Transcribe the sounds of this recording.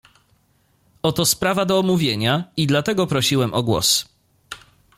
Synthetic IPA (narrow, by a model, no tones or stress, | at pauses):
ɔt̪ɔspɾavad̪ɔːmuvʲjeɲaid̪lat̪ɛɡɔpɾɔɕiwɛmʔɔɡwɔ̰s